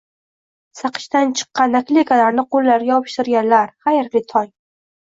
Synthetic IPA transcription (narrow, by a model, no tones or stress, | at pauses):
sɑqʰɨ̥ʃt̪ant͡ʃʰɨ̥qːɑnːakʲlʲekʰalaɾnɪqʰolˠːaɾɡʲaɒɒpʰɪ̥ʃt̪ɪɾɡʲanlaɾχajɾlɪt̪ʰɒŋ